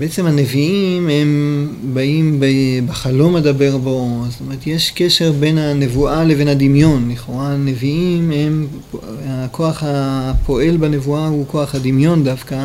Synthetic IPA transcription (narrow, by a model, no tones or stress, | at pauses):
beet͡semhaneviimembaimbebeχalo̞medabe̞ʁbost̪omeet̪jeʃkeʃe̞ʁbe̞nhane̞vuʔaleve̞nhad̪imjo̞nliχoʁaneviimem | ako̞aχhapo̞ʔe̞lbanevuahukoaχhad̪imjo̞ndafka